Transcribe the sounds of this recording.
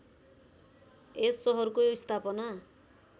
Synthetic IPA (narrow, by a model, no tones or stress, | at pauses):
esːɔɦɔɾkujost̪ʰapɔna